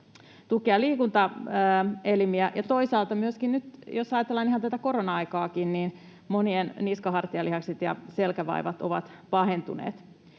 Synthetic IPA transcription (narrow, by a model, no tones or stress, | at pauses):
t̪ukeɑliːkunt̪ɑəːelimiæjɑt̪o̞isɑːlt̪ɑmyøskinnyt̪josɑjɑt̪elːɑniɦhɑnt̪æt̪æko̞ronɑɑjkɑːkinniːn | monienniskɑɦɑrt̪iɑlihɑkset̪jɑ̰selkæʋɑ̰iʋɑt̪o̰ʋɑ̰t̪pɑɦent̪ṵnḛːt̪